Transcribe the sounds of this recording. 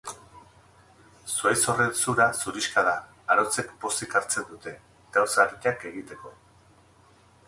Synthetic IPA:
suajso̞re̞nsuɾasuɾiʃkaðaː | ɾot͡se̞kbo̞sikaɾt͡se̞nd̪ut̪e̞ | ɡ̥awsaɾiake̞ɣit̪e̞ko̞

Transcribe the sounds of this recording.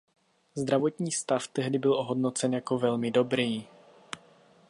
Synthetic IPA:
zd̪ɾavo̞t̪ɲiːst̪aft̪ɛɦdɪbɪlʔoɦo̞dno̞t͡sɛnjako̞vɛlmɪdo̞bɾiː

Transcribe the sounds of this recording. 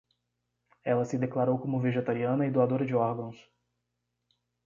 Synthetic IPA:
ɛlɐsɪd̪eklaɾowkõmʊveʒet̪aɾiɐ̃nɐɪd̪oad̪oɾɐd͡ʒɪɔɾɡɐ̃w̃s

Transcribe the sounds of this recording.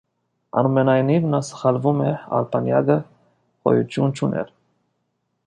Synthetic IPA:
ɑ̰numɛnɑjnivnɑsə̥χɑlvumɛɑ̰lpʰɑnjɑ̰ɡə | χɔ̰jut̪ʰjunt͡ʃʰunʔɛ̰ɾ

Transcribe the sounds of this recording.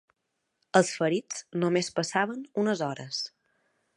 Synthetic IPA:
əlˠsfəɾid͡znomespəsaβənunəzɔɾəs

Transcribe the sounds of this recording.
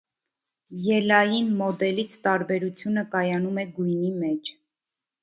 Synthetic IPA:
jɛlɑjinmɔd̪ɛlit͡sʰt̪ɑɾbɛɾut͡sʰjunəkɑjɑnumɛɡujnimɛt͡ʃʰ

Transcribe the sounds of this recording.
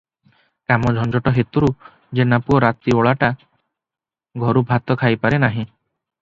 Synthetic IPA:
kamɔd͡ʒʱɔnd͡ʒɔʈɔɦet̪uɾu | d͡ʒenapuɔɾat̪ioɭaʈa | ɡʱɔɾubʱat̪ɔkʰajpaɾenaɦĩ

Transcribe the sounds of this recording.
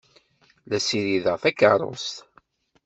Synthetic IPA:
læsiɾiðəʁθækːə̰ɾˤo̰st̪

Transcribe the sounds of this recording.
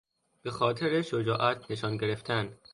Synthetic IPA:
b̥e̞xɒːt̪ʰe̞ɾeʃod͡ʒɒːʔæt̪ʰne̞ʃɒːnɟe̞ɾe̞ft̪ʰæn

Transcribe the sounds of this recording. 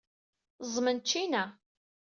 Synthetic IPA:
zˤmənt͡ʃːinæ

